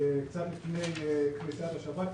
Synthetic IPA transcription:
kt͡sat̪lifnejknit͡sat̪aʃabat̪

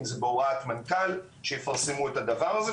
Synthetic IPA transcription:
mzbowat̪mankal | ʃejefaʁsemuet̪ad̪avaʁaze

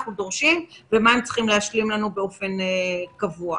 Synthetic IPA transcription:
χnudo̞ʁʃimvemaemt͡si̥χimleaʃlimlanubeo̞fe̞nkavua

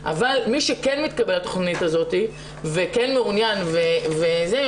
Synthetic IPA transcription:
ʔa̰valmiʃekenmit̪kabelat̪o̞χnit̪azo̞t̪i | vekenmeunjanveveze

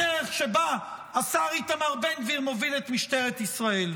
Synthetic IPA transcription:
eʁeχʃe̞baasaʁit̪amaʁbenviʁmo̞vilet̪miʃte̞ʁet̪isʁael

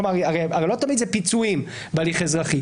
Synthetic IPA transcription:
omaʁaʁeaelo̞t̪amid̪zepit͡suim | bealiχezʁaχi

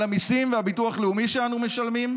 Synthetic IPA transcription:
amisimveabituaχleumiʃeanume̞ʃalmim

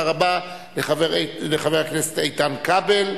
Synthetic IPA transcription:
aʁaba | leχaveleχaveʁaknese̥tejt̪amkabel

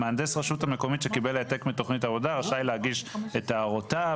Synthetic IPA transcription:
meand̪esʁaʃuthame̞ko̞mitʃekibeleate̞kmito̞χnitavo̞daʁaʃajlehaɡiʃetaːʁota

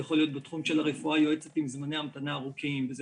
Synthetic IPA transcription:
jaχo̞lijo̞t̪̚betχumʃe̞laʁefuajo̞e̞t͡se̞timzmane̞jamat̪anaːʁukimveze

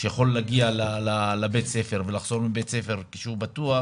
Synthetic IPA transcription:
ʃejaχo̞lːaɡialalalabet̪se̞feʁvelaχz̥o̞ʁmibe̞t̪se̞fe̞ʁkiʃeubat̪ua

